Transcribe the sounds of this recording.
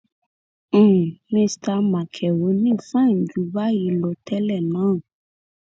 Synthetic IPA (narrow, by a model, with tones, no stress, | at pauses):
mĩ˧sta˧˦mã˨kʰɛ˨wo˨˦nĩ˦˨fã˦˨n̩˨d͡ʒu˨˦ba˦ji˧˦lɔ˧˦tɛ˦lɛ˦˨nãː˨˦˨